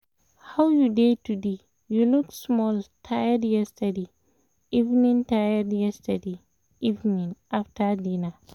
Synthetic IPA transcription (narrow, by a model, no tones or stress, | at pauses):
hawjudetude | juluksmɔltʰajadjɛstʰade | ivnĩntajadjɛstəde | ivnĩnʔaftʰadĩna